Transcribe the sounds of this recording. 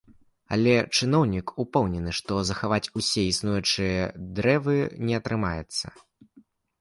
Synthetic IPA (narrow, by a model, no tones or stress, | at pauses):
ɐ̰lʲɛt͡ʂɨn̪ɔwnʲikupɛwnʲɛnɨʂt̪ɔzɐxavat͡sʲusʲɛisnujut͡ʂɨjɐd̪ɾɛvɨnʲɛɐt̪ɾɨmajɛ̰t̪sːɐ̰